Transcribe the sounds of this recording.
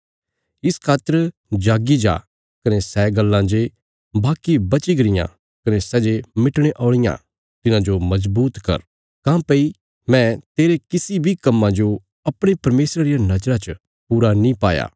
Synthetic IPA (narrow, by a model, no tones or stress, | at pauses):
ɪskʰaːt̪ːəɾd͡ʒaːɡid͡ʒa̰ː | kɐnesɛːɡɐlːãd͡ʒe | baːkibɐt͡ʃiɡɐɾɪjã̰ | kɐnesɛːd͡ʒemɪʈɽ̃eʔɔːɭ̃ɪjã̰ | t̪ɪnãd͡ʒomɐzbuːt̪kɐ̰ɾ | kãːpɐi | mɛ̃t̪eːɾekɪsibʱikɐmːãd͡ʒo | ɐpɽ̃epɐɾmeːsɾaɾɪjanɐd͡ʒɾat͡ʃə | puːɾanĩpa̰ːja̰ː